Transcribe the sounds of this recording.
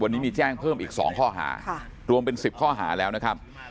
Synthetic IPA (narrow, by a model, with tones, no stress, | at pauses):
wa˧nːi˦˥miː˧t͡ɕɛː˥˩ŋpʰɤː˥˩mʔiː˨˩k̚sɔ̰ː˩˦ŋkʰɔː˥˩ɦa̰ː˩˦˩ɾu˧əmpe˧nsi˨˩p̚kʰɔː˥˩ɦa̰ː˩˦lɛː˦˥wna˦˥kʰa˦˥p̚